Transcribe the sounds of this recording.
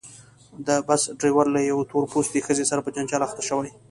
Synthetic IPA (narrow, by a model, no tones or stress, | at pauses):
d̪əbasɖɾewaɾlajawt̪oɾpost̪exəzesaɾapəd͡ʒand͡ʒɑlaxt̪aʃəwaj